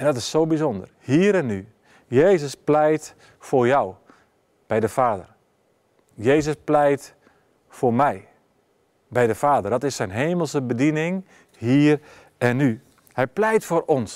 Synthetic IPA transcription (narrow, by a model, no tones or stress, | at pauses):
ɛndɔtɪsːoːbizɔndə̰rhiːɾɛnːy | jeːzəsplɛjt | foːrjaw | b̥ɛjdəfaːdər | jeːzəsplɛjt | formɛj | bɛjdəfaːdərdɔtɪsːɛjnɦeːməlˠsəbədinɪŋ | hiːr | ɛnːy | hɛjplɛjtfoːrɔns